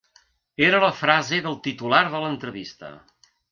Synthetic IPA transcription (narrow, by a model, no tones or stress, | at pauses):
eɾələfɾazeðəlˠt̪it̪ulaɾðələnt̪ɾəβist̪ə̰